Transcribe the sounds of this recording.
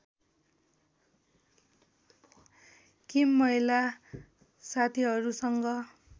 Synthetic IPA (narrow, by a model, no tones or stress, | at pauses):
kimːʌila | sat̪ʰiɦʌɾusʌŋɡʌ